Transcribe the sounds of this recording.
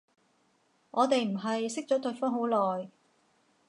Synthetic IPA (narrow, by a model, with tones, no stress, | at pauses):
ʔɔː˨˧t̪e˨jm̩˨˩ɦɐ˨jsɪ˥k̚t͡ʃɔ˨˥t̪ɵ˧ɥfɔː˥ŋɦo˨˥wlɔː˨j